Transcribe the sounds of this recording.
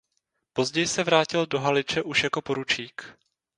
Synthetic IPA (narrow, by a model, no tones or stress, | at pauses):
po̞zɟɛjɪsɛvɾaːcɪldo̞ɦalɪt͡ʃɛʔuʃjako̞po̞ɾut͡ʃiːk